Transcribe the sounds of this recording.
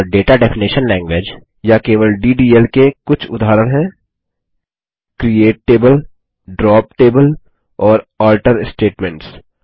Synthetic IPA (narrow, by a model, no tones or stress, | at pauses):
ɖeːʈaɖɛpʰɪniʃənlɛ̃ːŋɡʋeːd͡ʒ | jakeːʋəlɖiːɖiːɛlkekʊt͡ʃʰʊd̪ʱaɦːɾəɽ̃ɦɛ̃ː | kɾieːʈeːbəl | ɖɾɔːpʈeːbəl | ɔːɾɔːlʈəɾsʈeːʈmɛ̃ɳʈs